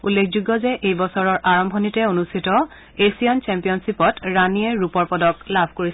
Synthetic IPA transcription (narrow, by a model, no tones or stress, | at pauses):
ṵlːekʰzuɡːɔzɛʔejbɔsɔɹɔɹʔaɹɔmbʱɔnitɛonustʰitɔ | esijant͡ʃɛmpijɔnsipɔtɹaniɛɹupɔɹpɔdɔklabʱkoɹis